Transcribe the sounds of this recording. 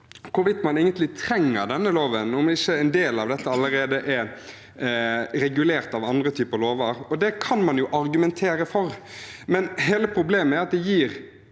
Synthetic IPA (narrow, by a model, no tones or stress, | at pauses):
kʊɾʋɪt̪ːmɑneːɡənt̪lɪt̪ʰɾɛŋːəɾd̪ɛnːəloːʋənɔmɪçːəɛnd̪eːlɑʋd̪ɛt̪ːəɑlːəɾeːd̪əʔɛɾ | ɾɛɡʉleːɾt̪ɑʋɑnd̪ɾət̪ʰyːpəloːʋəɾɔd̪ɛkʰɑnmɑnjʊʔɑɾɡʉmɛnt̪ʰeːɾəfɔɾ | mɛnɦeːləpʰɾʊbleːməæɾɑt̪̚d̪ɛjiːɾ